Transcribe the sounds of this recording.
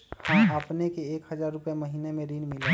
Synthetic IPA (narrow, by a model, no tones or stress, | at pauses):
həməpnekeeːkhəzaːɾːʊpjemɐɦiːnemẽɾiːnmɪle